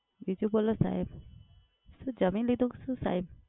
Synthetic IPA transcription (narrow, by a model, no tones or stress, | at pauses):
bid͡ʒubolɔsa̰im | sud͡ʒəminlid̪uksusa̰im